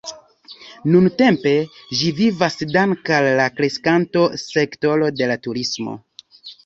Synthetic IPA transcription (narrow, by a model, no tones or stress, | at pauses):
nunte̞mpe̞ʒivivasdaŋkalːakɾe̞skanto̞se̞kto̞lo̞de̞latuɾismo̞̰